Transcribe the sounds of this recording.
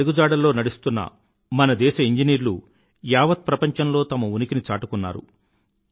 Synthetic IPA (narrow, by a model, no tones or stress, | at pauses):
iɡud͡ʒaːɽɐlːo̞ːnɐɽist̪unːɐ̰ | mɐnɐd̪ɛːʃɐiɲd͡ʒiniːɾlṵ | jaːʋɐt̪̚pɾɐpɐɲt͡ʃɐnlo̞ːt̪ɐmɐunikinit͡ʃaːʈukunːa̰ːɾṵ